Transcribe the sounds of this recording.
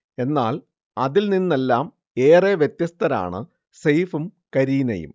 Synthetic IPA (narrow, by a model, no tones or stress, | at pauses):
e̞nːaːl | ɐðilninːe̞lːaːm | e̞ːreːʋjet̪jɐst̪ʰɐɾa̰ːɳɨ̰ | sɐjfumkɐɾiːnɐ̰jṵm